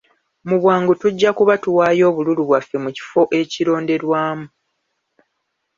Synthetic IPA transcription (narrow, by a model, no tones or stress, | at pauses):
muβwaːŋɡutuɟːakuβatuwaːjo̞ːβululuβwafːe̞muci̥fo̞ʔe̞ciɾo̞ːnde̞ɾwaːmu